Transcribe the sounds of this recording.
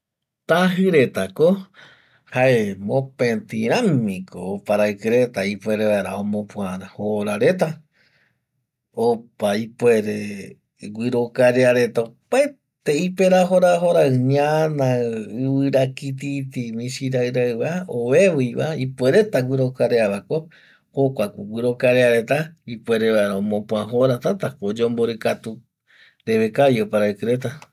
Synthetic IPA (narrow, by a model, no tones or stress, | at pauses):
t̪aɦɨɾe̞t̪ako | haemõpẽt̪iɾ̃ãmːĩkoːpaɾaɨkɨɾet̪aipwe̞ɾeβaeɾa̰õmõpwaɾãhoɾaɾe̞t̪̬a | opaipweɾe | ɡwʷiɾokaɾeaɾe̞t̪aopa | t̪eipeɾaɦoɾaɦoɾaɨɲanãɨβɨɾakit̪it̪imĩʃiɾaɨɾaɨβaoβe̞βujβaipweɾe̞t̪aɡʷiɾokaɾeaβako | hokʷakuɡʷiɾo̞kaɾeaɾe̞t̪aipwe̞ɾeβaɾõmõpũaɦoɾat̪at̪akod͡ʒõmboɾɨkat̪u | ɾeβekajopaɾaekɨɾe̞t̪a